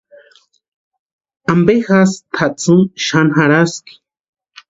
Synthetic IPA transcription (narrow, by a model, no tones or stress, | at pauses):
ambexast̪ʰat͡suŋʃanɦaɾaski̥